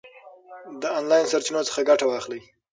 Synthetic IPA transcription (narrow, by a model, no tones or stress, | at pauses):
d̪əɑnlɑjnsaɾt͡ʃinot͡sə̥xaɡaʈawɑxlij